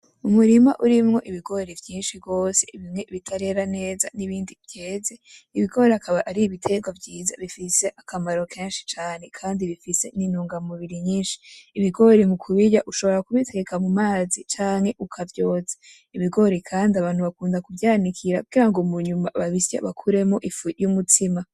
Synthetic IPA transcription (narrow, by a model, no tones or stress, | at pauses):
umuɾima̰ʔuɾimŋo̞ʔiβiɡo̞ɾevjiːnʃibɡo̞ːse̞iβimŋe̞βitʰaɾe̞ɾane̞ːza̰niβiːndivjeːze̞iβiɡo̞ːɾeakʰaβaʔaɾiiβitʰe̞ɡwavɟiːza̰βifise̞ʔakʰamaɾo̞kʰe̞ːnʃi̥t͡ʃaːne̞kʰaːndiβifise̞̰ninuːŋɡamuβiɾiɲiːnʃi̥ːβiɡo̞ɾemukʰuβijaʔuʃo̞βo̞ɾakuβitʰe̞ekamumaːzit͡ʃaːŋhe̞ʔukʰavjo̞ːzḁ | iβiɡo̞ɾekʰaːndiaβaːn̥huβakuːndakuvjaːnikʰiɾakuɡiɾaŋɡomuɲuma̰βaβisjḛβakʰuɾe̞moʔifujumutʰima